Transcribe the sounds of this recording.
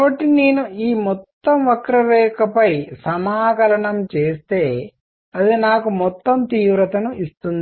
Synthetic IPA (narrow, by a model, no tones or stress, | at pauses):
bɐʈːineːnuiːmɔt̪ːɐmʋɐkɾɐʋɛːkɐpɐjsɐmaːkɐlɐɳɐmt͡ʃeːst̪e̞ː | ɐd̪inaːkumɔt̪ːɐmt̪iːʋɾɐt̪ɐnuʔist̪und̪i